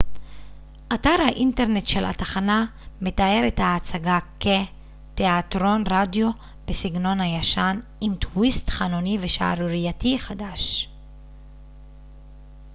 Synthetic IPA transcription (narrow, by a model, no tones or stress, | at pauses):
ʔataʁhaʔinte̞ʁne̞tʃela̰t̪aχaname̞tae̞ɾethaːt͡saɡake | teatʁo̞nʁadjo̞ | b̥esiɡno̞nhajaʃanimtwistχanoniveʃa̰a̰ɾʁijatiχadaʃ